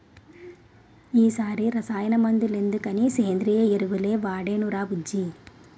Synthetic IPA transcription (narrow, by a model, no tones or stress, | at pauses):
iːsaːɾiɾɐsaːjɐnɐmɐnd̪ilend̪ukɐniseːnd̪ɾijɐeɾuʋuleːʋaːɽeːnuɾaːbud͡ʒːi